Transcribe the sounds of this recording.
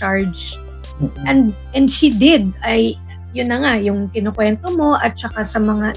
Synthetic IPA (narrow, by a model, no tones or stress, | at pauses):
t͡ʃaɹd͡ʒ | ʔɛnd̪ʔɛnd̪ʃid̪ɛd̪̚ɐj | jʊnːɐŋajʊŋk̪ɪnokwɛnt̪o̞mo̞ʔɐt̪̚t͡ʃɐkasɐmɐŋa